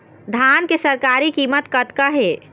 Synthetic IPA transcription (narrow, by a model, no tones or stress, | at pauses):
d̪ʱankesəɾkaɾikiːmət̪kət̪kəɦe